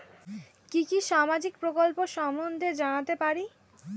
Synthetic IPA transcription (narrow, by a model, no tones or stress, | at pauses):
kikiʃamad͡ʑikpɾokolpoʃɔmond̪ʱed͡ʑanat̪epaɾi